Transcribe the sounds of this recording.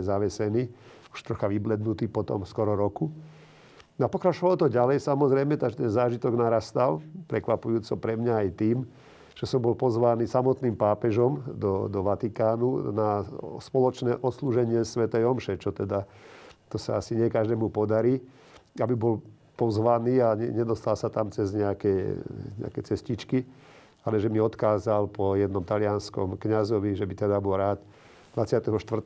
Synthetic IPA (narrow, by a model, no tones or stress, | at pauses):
zaʋɛsɛniː | u̥ʃt̪ɾɔxaʋiblɛd̪nut̪iːpɔt̪ɔ̰mskɔɾɔɾɔku | nɔapɔkɾat͡ʃɔʋalɔt̪ɔɟalɛjsamɔzɾɛjmɛt̪aɡʒɛt̪ɛnzaːʒit̪ɔɡnaɾast̪alpɾɛkʋapujuːt͡sɔpɾɛmɲaːjt̪iːm | ʒ̥ɛsɔmbɔlpɔzʋaːniːsamɔt̪niːmpaːpɛʒɔmd̪ɔd̪ɔʋat̪ikaːnunaspɔlɔt͡ʃnɛːʔɔt̪sluːʒɛɲɪɛsʋɛt̪ɛjɔmʃɛt͡ʃɔt̪ɛd̪at̪ɔsaasiɲɪɛkaʒd̪ɛːmupɔd̪aɾiː | abibɔl | pɔzʋaniːaɲɛɲɛd̪ɔst̪alsat̪amt͡sɛzɲɛakɛɲɛ̰a̰kɛt͡sɛscit͡ʃki | alɛʒɛmiɔt̪kaːzalpɔjɛd̪nɔmt̪alɪanskɔmkɲazɔʋiʒɛbit̪ɛd̪abɔlɾaːt̪ | d̪ʋat͡sɪat̪ɛɦɔʃt̪ʋr